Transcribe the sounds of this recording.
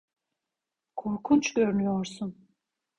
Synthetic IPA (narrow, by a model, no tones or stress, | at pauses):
kʰoɾkʰunt͡ʃʰɡʲøɾynyjɔɾsun